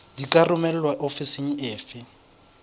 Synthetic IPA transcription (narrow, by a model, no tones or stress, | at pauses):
dikʼarʊmɛl̩lwaʔofiseŋ̩ɪːfɪ